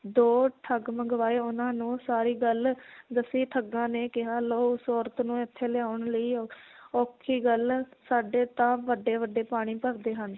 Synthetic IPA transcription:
d̪oːʈʰəɡməɡʋaːeːʊnãːnũːsaːɾiːɡəld̪əsiːʈʰəɡːãːneːkɪɦaːloːsoːɾt̪nũːɪt̪ʰːeːlɪaːʊɳləiːoːkʰiːɡəlsaːɖeːt̪ãːʋəɖeːʋəɖːeːpaːɽ̃iːpəɾd̪eːɦən

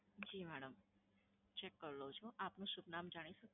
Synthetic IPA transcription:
d͡ʒimɛɽəm | t͡ʃekːəɾlot͡ʃʰoʔapnuʃubnamd͡ʒaɽ̃iʃək

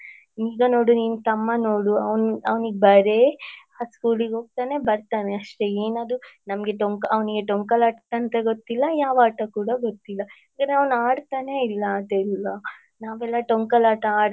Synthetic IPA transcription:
niːɡɐno̞ːɽuniːnut̪ɐmːɐnoːɽuɐʋnɐʋniɡebɐɾe̞ | aːskuːliɡo̞ːɡ̚t̪aːne̞bɐɾt̪aːne̞ɐʂʈe̞eːnaːd̪unɐmɐɡe̞ʈoŋkɐɐʋniɡe̞ʈoŋkɐlaːʈt̪ːant̪ɐɡot̪ːilːɐjaːʋaːʈɐkuːɽɐɡot̪ːilːɐaːɡɐɾeɐʋnaːɽt̪aːneilːɐːd̪eilːɐ | naːʋɛlːɐʈoŋkɐlaːʈɐaːɽ

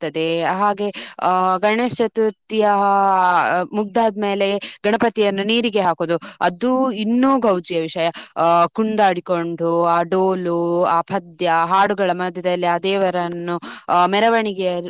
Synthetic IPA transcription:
t̪ːɐd̪e̞ɐɦaːɡe̞ɡɐɳeːst͡ʃɐt̪ut̪ijɐ | muɡ̚d̪ʱaːd̪̚meːle̞ɡɐɳɐpɐt̪ijɐnːuniːɾiɡe̞ɦaːkoːd̪uɐ̰d̪uinːuːɡʱɐwd͡ʒijɐʋiʂɐjɐkuɳd̪aːɽiko̞ɳɖuaːɖoːluaːpʰɐd̪jɐɦaːɽuɡɐɭɐmɐd̪ʱjɐd̪ɐlːiɐd̪eːʋɐɾɐnːumɛɾɐʋɐɳiɡe

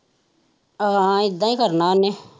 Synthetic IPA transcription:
ãɪd̪ːãːĩːkəɾnaːneː

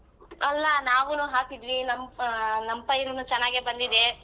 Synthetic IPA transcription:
ɐlːɐnaːʋunuɦaːkid̪ʋinɐmnɐmpɐjɾunut͡ʃɐnːaːɡibɐnd̪id̪e

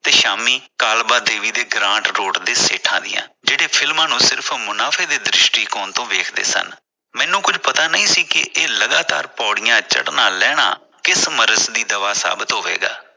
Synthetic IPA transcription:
t̪eːʃaːmiːkaːlbaːd̪eːʋiːd̪eːɡɾãːɳʈɾoːɖd̪eːseːʈʰãːd̪ɪ̰jã̰ːd͡ʒeːɽeːpʰɪlmãːnũːsɪɾpʰmʊnaːpʰeːd̪eːd̪ɾɪʃʈiːkɔːnt̪õːʋeːkʰd̪ḛːsə̰n | mɛ̃ːnũːkʊd͡ʒʱpət̪aːnəĩːsiːkɪʔeːləɡaːt̪a̰ːɾpɔːɽɪjãːt͡ʃə̰ɽnãːlɛːɽ̃a̰ː | kɪsməɾəsd̪iːd̪əʋaːsa̰ːbɪt̪ɦoːʋḛːɡa̰ː

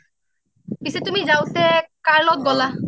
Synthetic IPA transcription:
pisɛtumizawsɛkaɹlɔt̚ɡɔla

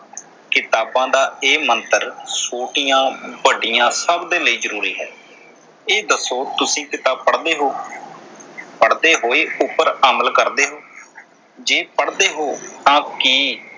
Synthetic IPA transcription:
kɪt̪aːbãːd̪aːeːmənt̪əɾsoːʈijãːbəɖɪjãːsəbd̪eːləiːzəɾuːɾiːɦɛ̰ː | eːd̪əsːoːt̪ʊsĩːkɪt̪aːəɽd̪eːɦoː | pəɽd̪eːɦoːeːʊpːəɾaːməlkəɾd̪eːɦoː | d͡ʒeːpəɽd̪eːɦoːt̪ãːkiː

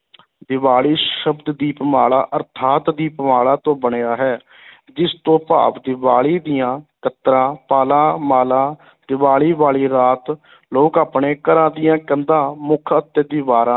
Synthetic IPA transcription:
d̪ɪʋaːɭiːʃəbd̪d̪iːpəmaːɭa̰ːʔəɾt̪ʰaːt̪d̪iːpəmaːɭaːt̪õːbəɳeːaːɦɛː | d͡ʒɪst̪õːpa̰ːpd̪ɪʋaːɭiːd̪ɪjãːkət̪ɾãːpaːlãːmaːlãː | d̪ɪʋaːɭiːʋaːɭiːɾaːt̪ | loːkaːpɳeːkəɾãːd̪ɪjãːkənd̪ãːmʊkʰət̪ːeːd̪iːbaːɾãː

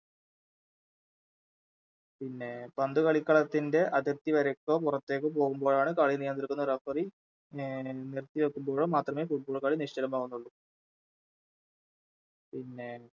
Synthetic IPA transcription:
pinːe̞pɐnd̪ukɐɭikːɐɭɐt̪ːinde̞ʔɐðirt̪ːiʋɐɾekːoːpurɐt̪ːe̞ːk̬ːɨp̬o̞ːɣumbo̞ːɻaːɳɨkaːɭinijɐnd̪iɾikːunːɐrɐfɐri | nirt̪ːiʋekːumbo̞ːɻomaːt̪rɐme̞ːfuʈ̚boːɭkːaːɭiniʂt͡ɕɐɾɐmaːɣunːuɭːu | pinːe̞

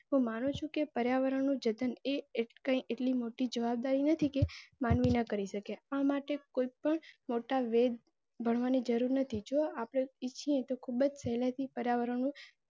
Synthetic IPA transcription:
ɦũmanũt͡ʃʰũkepəɾjaʋəɾəɳnũd͡ʒəd̪ənekə̃ĩʔeʈlimoʈid͡ʒəʋab̚d̪aɾinət̪ʰikemanʋinəkəɾiʃəkeamaʈekoipəɳmoʈaʋed̪̚ | bʱəɳ̃ʋanid͡ʒəɾuɾnət̪ʰid͡ʒoapɽ̃eit͡ʃʰiẽt̪okʰubəd͡ʒsɛɦlat̪ʰipəɾjaʋəɾəɳnũ

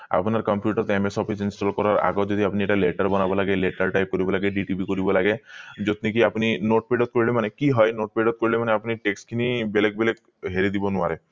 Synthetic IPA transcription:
a̰pnaɾkɔmpjuʈaɾt̪emesɔpʰisinsʈɔlkɔɾaɾa̰ɡod͡ʒod̪iapnieʈaleʈaɾbɔnabɔlaɡeleʈaɾʈajp̚koɾibɔlaɡeɖiʈipikoɾibɔlaɡed͡ʒot̪nikiapninoʈ̚peɖɔt̪̚koɾilemanekiɦɔjnoʈ̚peɖɔt̪̚koɾilemaneapniʈeksʈkʰinibelek̚belek | ɦeɾid̪ibonuaɾe

